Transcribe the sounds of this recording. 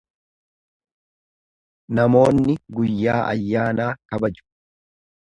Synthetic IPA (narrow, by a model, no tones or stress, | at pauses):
nɐmo̞ːnːɪɡʊjːaːʔɐ̰jːaːnaːkɐbɐd͡ʒʊ̥